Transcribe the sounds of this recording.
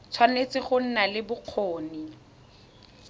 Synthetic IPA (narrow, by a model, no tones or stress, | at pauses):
t͡sʰwanet͡sɪχʊn̩nalɪbʊq͡χʰoːni